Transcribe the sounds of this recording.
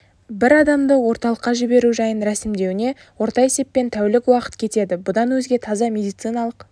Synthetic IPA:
bɪɾɑd̪ɑmd̪əwo̞ɾt̪ɑlˠəqːɑʒɪbe̞ɾuʒɑjənɾæsɪmd̪e̞wɪne̞ | wo̞ɾt̪ɑje̞se̞pːe̞nt̪ʰæwɪlɪkwɑqə̥t̪kʲʰe̞t̪e̞d̪ɪbʊd̪ɑnwɵzɡʲe̞t̪ʰɑzɑmʲe̞d̪ijt̪sɨjnɑlˠəq

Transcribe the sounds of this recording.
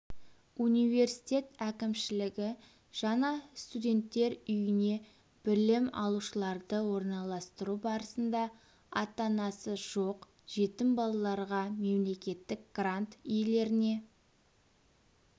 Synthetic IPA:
unijve̞rsi̥t̪ʲe̞t̪ækʲɪmʃɪlɪɡʲɪ | ʒ̥ɑɴɑst̪ud̪ʲe̞nt̪ːe̞ɾʏjɪne̞ | b̥ɪɾlɪmɑ̰lˠuʃəlˠɑɾd̪əwo̞ɾnɑlˠɑst̪əɾubɑɾəsənd̪ɑ | ɑt̪ɑnɑsəʒ̥o̞q | ʒ̥e̞t̪ɪmbɑlˠɑlˠɑɾʁɑme̞mle̞kʲe̞t̪ːɪk̚ɡ̥rant̪ʏjle̞ɾɪne̞

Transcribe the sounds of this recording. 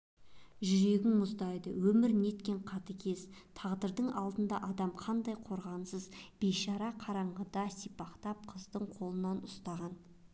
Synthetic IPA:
ʒʏɾe̞ɡʲɪŋmʊzd̪ɑjd̪əwɵmɪɾne̞t̪kʲe̞ɴqʰɑt̪əkʲʰe̞z̥t̪ʰɑʁd̪əɾd̪əɴɑlˠd̪ənd̪ɑʔɑd̪ɑmqʰɑnd̪ɑjqʰo̞ɾʁɑnsəzb̥eʃɑɾɑqʰɑɾɑɴʁəd̪ɑsijpɑqt̪ɑp̚qʰəzd̪əɴqʰo̞lˠənɑnʊst̪ɑʁɑn

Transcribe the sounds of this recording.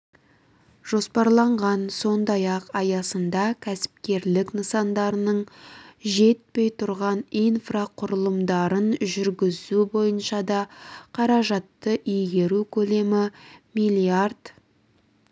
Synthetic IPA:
ʒ̥o̞spɑɾlˠɑɴʁɑnso̞nd̪ɑjɑqɑjɑsənd̪ɑkʲʰæsɪ̥p̚kʲe̞ɾlɪknəsɑnd̪ɑɾənəɴʒe̞t̪̚pe̞jt̪ʰʊɾʁɑninfraqʰʊɾəlˠəmd̪ɑɾənʒʏɾɡʲɪzubo̞jənʃɑd̪ɑqʰɑɾɑʒɑt̪ːəʔijɡʲe̞ɾukʲʰɵle̞mɪmijlʲˠiard̪̥

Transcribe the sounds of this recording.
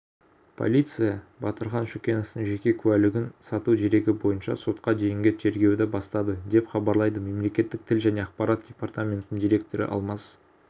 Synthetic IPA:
pʰo̞̰lʲijt̪sɨjɑbɑt̪əɾχɑnʃukʲe̞no̞ft̪əɴʒe̞kʲe̞kʲʰʉælɪɡʲɪnsɑt̪ud̪ʰeɾe̞ɡʲɪbo̞jənʃɑ̰so̞t̪̚qɑd̪e̞jɪŋɡʲɪt̪ʰe̞ɾɡʲe̞wd̪ɪbɑst̪ɑd̪əd̪e̞pχɑbɑɾlˠɑjd̪əme̞mle̞kʲe̞t̪ːɪk̚t̪ʰɪlʒæne̞ɑqpɑɾat̪̚d̥ʲe̞part̪amʲent̪ənɪŋd̪ijɾek̚t̪o̞ɾɪ̰ʔɑ̰lˠmɑs

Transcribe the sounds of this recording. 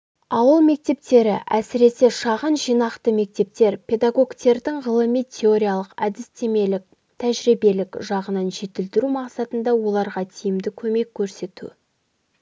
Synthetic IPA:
ɑwəlˠme̞k̚t̪e̞p̚t̪e̞ɾɪ̰ʔæsɪɾe̞se̞ʃɑʁənʒijnɑqt̪əme̞k̚t̪e̞p̚t̪e̞ɾpʲʰe̞d̪aɡo̞ɡt̪e̞ɾd̪ɪŋʁəlˠəmijt̪ʲʰe̞o̞ɾʲijalˠəqæd̪ɪst̪ʰe̞me̞lɪk̚ | t̪ʰæʒɾibe̞lɪkʒɑʁənɑnʒe̞t̪ɪlt̪ɪɾumɑqsɑt̪ənd̪ɑwo̞lˠɑɾʁɑt̪ʰijɪmd̪ɪkʲʰɵme̞kʲʰːɵɾse̞t̪ṵ

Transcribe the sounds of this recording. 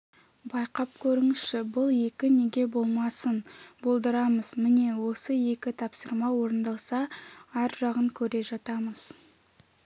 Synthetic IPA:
bɑjqɑp̚kʲʰɵɾɪŋɪsʃɪbʊlˠje̞kʲɪne̞ɡʲe̞bo̞lˠmɑsənbo̞lˠd̪əɾɑməz̥mɪne̞wo̞səje̞kʲɪt̪ʰɑpsəɾmɑwo̞ɾənd̪ɑlˠsɑæɾʒɑʁəŋkʲʰɵɾe̞ʒɑt̪ɑməz̥

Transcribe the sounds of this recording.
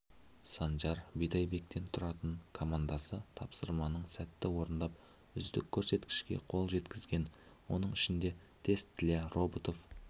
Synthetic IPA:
sɑnʒɑɾbijt̪ɑjbe̞k̚t̪e̞nt̪ʰʊɾɑt̪əɴkʰo̞mand̪ɑsət̪ʰɑpsəɾmɑnəɴsæt̪ːɪwo̞ɾənd̪ɑp̚ | ʏzd̪ɪkʲʰːɵɾse̞t̪kʲɪ̥ʃkʲe̞̰qʰo̞lˠʒe̞t̪kʲɪzɡʲe̞n | wo̞̰nəɴɪʃɪnd̪e̞ | t̪ʰe̞st̪ʰːɪlero̞bt̪o̞f

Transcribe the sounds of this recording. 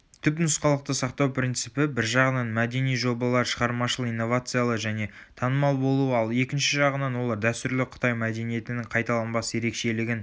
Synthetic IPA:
t̪ʰʏpnʊsqɑlˠəq̚t̪əsɑqt̪ɑwpɾʲint̪sɨpɪbɪɾʒɑʁənɑnmæd̪e̞nijʒo̞bɑlˠɑɾʃəʁɑɾmɑʃəlˠəijnːo̞vat̪sɨjalˠəʒæne̞ | t̪ʰɑnəmɑlˠbo̞lˠuəɑlˠe̞kʲɪnʃɪʒɑʁənɑnwo̞lˠɑɾd̪æst̪ʏɾlɪqʰə̥t̪ɑjmæd̪e̞nije̞t̪ɪnɪŋqʰɑjt̪ɑlˠɑnbɑsəje̞ɾe̞kʃe̞lɪɡʲɪn

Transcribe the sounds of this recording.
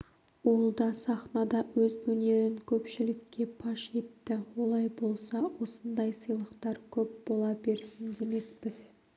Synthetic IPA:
wolˠd̪ɑsɑχnɑd̪ɑwɵzwɵne̞ɾɪŋkʲʰɵpʃɪlɪkʲːe̞pʰɑʃe̞t̪ːɪwo̞lˠɑjbo̞lˠsɑwo̞sənd̪ɑjsəjlˠəqt̪ɑɾkʲʰɵp̚b̥o̞lˠɑbe̞ɾsɪnd̪e̞me̞k̚pɪz̥

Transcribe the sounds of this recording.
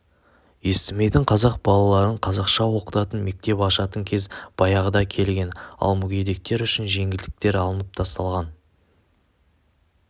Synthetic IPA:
je̞st̪ɪme̞jd̪ɪŋqʰɑzɑq̚bɑlˠɑlˠɑɾəɴqʰɑzɑqʃɑwo̞qə̥t̪ɑt̪ənme̞k̚t̪e̞pɑʃɑt̪əŋkʲʰe̞zb̥ɑjɑʁəd̪ɑkʲʰe̞lɡʲe̞nɑ̰lˠmʏɡʲe̞d̪e̞k̚t̪e̞ɾʏʃɪnʒe̞ŋʲɪld̪ɪk̚t̪e̞ɾɑlˠənəp̚t̪ʰɑst̪ɑlˠʁɑn

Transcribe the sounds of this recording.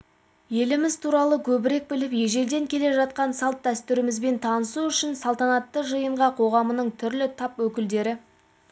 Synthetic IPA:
je̞lɪmɪzt̪ʰuɾɑlˠəkʲʰɵbɪɾe̞k̚bɪlɪpje̞ʒe̞ɾd̪e̞ŋkʲʰe̞le̞ʒɑt̪̚qɑnsɑlˠt̪̚d̪æst̪ʏɾɪmɪzbe̞nt̪ʰɑnəsuʏʃɪnsɑlˠt̪ɑnɑt̪ːəʒəjəɴʁɑqʰo̞ʁɑmənəɴt̪ʰʏɾlɪt̪ʰɑpwɵkʲɪld̪e̞ɾɪ

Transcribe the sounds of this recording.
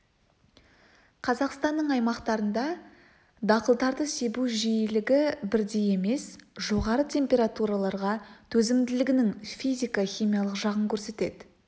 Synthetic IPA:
qʰɑzɑqst̪ɑnːəɴɑjmɑqt̪ɑɾənd̪ɑ | d̪ɑqəlˠd̪ɑɾd̪əse̞buʒijɪlɪɡʲɪbɪɾd̪e̞je̞me̞sʒo̞ʁɑɾət̪ʲʰe̞mpʲe̞ɾat̪uɾalˠɑɾʁɑt̪ʰɵzɪmd̪ɪlɪɡʲɪnɪŋfijzʲijkaχʲijmijalˠəqʒɑʁəŋkʲʰɵɾse̞t̪e̞̰d̪ɪ

